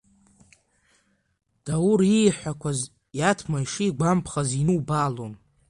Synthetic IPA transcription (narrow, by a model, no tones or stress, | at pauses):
d̥awuɾiħʷakʷʰaz | jatʰmaiʂiːɡʷampʰχazinɨwbalon